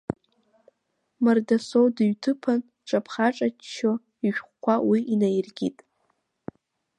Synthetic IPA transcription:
mardasowdɨɥtʰɨpʰan | ʈ͡ʂʼapʰχaʈ͡ʂʼat͡ʃt͡ʃʰːo | iʃᶣχʷkʷʰawiʔinajrɡʲitʼ

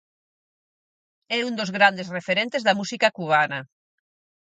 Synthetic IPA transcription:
ɛund̪ozɣɾand̪esrefeɾẽnt̪ezðamusikakuβ̞anɐ

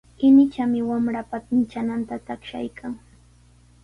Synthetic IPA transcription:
ɪnɪt͡ʃamɪwamɾapat̪ɪnt͡ʃanant̪at̪akʃa̰jkʰaŋ

